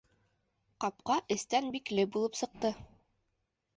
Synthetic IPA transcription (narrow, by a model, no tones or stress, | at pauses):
qɑp̚qɑʔɘ̆st̪ænbiklɘbulˠɤpsɤ̆q̚t̪ɤ